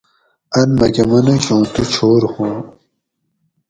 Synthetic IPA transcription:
ɐnmɐkɐmɐnuɕõːt̪ut͡ɕʰoːɾhũ

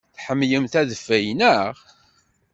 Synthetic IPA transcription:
θħəmːjəmθæðəfːæjnəʁ

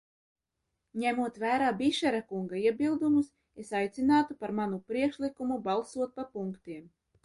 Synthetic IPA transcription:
ɲæmuɔt̪væːɾaːbiʃɛɾakuŋɡaiɛbilˠd̪umus | esajt̪sinaːt̪upaɾmanupɾiɛkʃlˠikumubalˠsuɔt̪̚papuŋkt̪iɛm

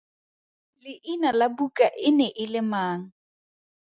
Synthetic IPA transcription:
lɪʔinalabukʼaʔɪnɛʔɪlɪmaːŋ̩

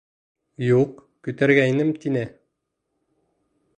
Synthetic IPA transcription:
juq | kʉt̪æɾɡæinɘmt̪inɘ

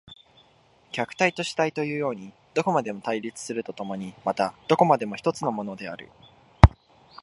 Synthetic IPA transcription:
kʲakɯ̟̥t̪ait̪o̞ɕi̥t̪ait̪o̞jɯ̟ːjo̞ːɲ̟i | d̪̥o̞ko̞mad̪e̞mo̞t̪aiɾʲit͡sɨ̥sɨɾɯ̟t̪o̞t̪o̞mo̞ɲ̟imat̪ad̪̥o̞ko̞mad̪e̞mo̞çi̥t̪o̞t͡sɨno̞mo̞no̞d̪e̞a̰ɾɯ̟̰

